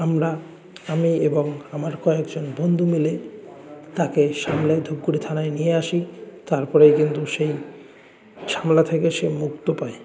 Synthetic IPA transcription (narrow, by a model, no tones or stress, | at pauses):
amɾa | amieboŋamaɾkɔekd͡ʑonbond̪ʱumile | t̪akeʃamled̪ʱub̚kuɽit̪ʰanaenijeaʃit̪aɾpɔɾejkint̪uʃej | ʃʰamlat̪ʰekeʃemukt̪opaj